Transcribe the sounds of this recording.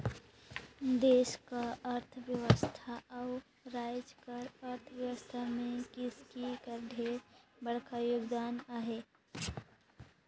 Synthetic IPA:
d̪eːʃkaəɾt̪ʰʋjəwəst̪ʰaaʊ | ɾaːjd͡ʒkəɾəɾt̪ʰʋjəʋəst̪ʰamẽkɪskikəɾɖʱeɾbəɽ̤kajoɡd̪aːnaɦeː

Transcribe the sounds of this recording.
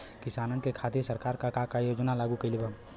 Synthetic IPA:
kɪsaːnənkekʰaːd̪jəsəɾkaːɾkakakajoːd͡ʒnalaːɡukɐilebʱə

